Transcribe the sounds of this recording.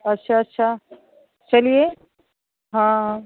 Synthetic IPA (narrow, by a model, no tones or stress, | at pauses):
ɐtːʃʰaɐtːɕʰaː | t͡ʃɐlije | ɦãɦã